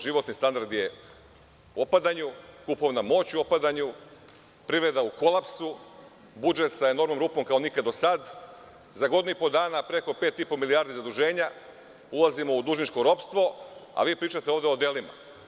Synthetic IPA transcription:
ʒiʋo̞t̪nist̪and̪aɾd̪je | opad̪aɲukupo̞ʋnamo̞ːt͡ɕuo̞pad̪aɲu | pɾiʋɾe̞d̪auko̞lˠapsu | bud͡ʒe̞t̪saeno̞ɾmnomɾupomkao̞nikad̪o̞sad̪ | zaɡo̞d̪inuipo̞d̪aːnapɾe̞ko̞peːt̪ipo̞miliaːɾd̪izad̪uʒe̞ːɲa | ulˠazimo̞ud̪uʒnit͡ʃko̞ɾo̞pst̪ʋo̞a̰ʋiːpɾiːt͡ʃat̪eo̞ːʋd̪eo̞d̪e̞lima̰

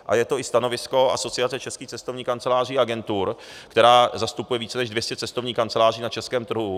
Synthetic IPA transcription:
ʔa̰jɛt̪o̞ɪst̪ano̞vɪsko̞ʔa̰so̞t͡sɪat͡sɛt͡ʃɛskiːt͡sɛst̪o̞vɲiːkant͡sɛlaːr̝iːaɡɛnt̪uɾkt̪ɛɾaːzast̪upujɛviːt͡sɛnɛʒdvjɛscɛt͡sɛst̪ovɲiːkant͡sɛlaːr̝iːnat͡ʃɛskɛːmt̪r̩ɦu

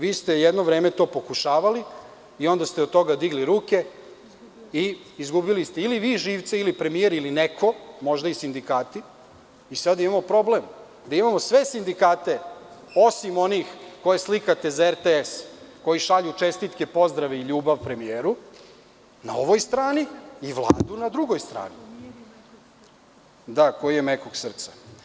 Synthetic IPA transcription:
ʋiːst̪e̞jed̪noʋɾe̞ːme̞t̪o̞po̞kuʃaːʋali | io̞nd̪ast̪eod̪t̪o̞ɡad̪iɡliɾuːke̞ | i | izɡubilist̪e̞iliʋiːʒiːʋt̪seilipɾe̞mieɾilinekʰo̞mo̞ʒd̪aisind̪ikaːt̪iː | sad̪imamo̞pɾo̞blem | d̪aimamo̞sʋe̞sind̪ikaːt̪e̞o̞simo̞niːxko̞jeslikat̪e̞zaeɾt̪eesko̞jiʃaʎut͡ʃest̪it̪kepo̞zd̪ɾaʋeiʎuːbaʋpɾe̞mijeːɾu | na̰o̞ʋo̞jst̪ɾaːniːʋlˠa̰ːd̪unad̪ɾuɡo̞jst̪ɾa̰ːni | d̪ako̞jijenekoɡsr̩t̪sa

